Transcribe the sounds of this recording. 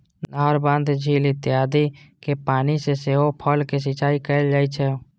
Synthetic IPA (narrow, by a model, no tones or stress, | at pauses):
llaːɦəɾbãːnd̪d͡ʒʱiːlɪt̪jaːd̪ikepaːniseseːɦopʰɔːlkes̬ɪt͡ʃaːikəld͡ʒaːit͡ʃʰɛː